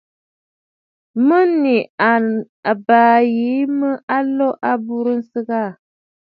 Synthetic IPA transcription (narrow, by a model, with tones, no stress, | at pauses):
mə˦ni˨a˨ | a˨baː˨jiː˨˦mə˦ʔa˦lɔ˦ʔa˦bu˦ɾə˦n̩˦sɨ˦ɣa˦˨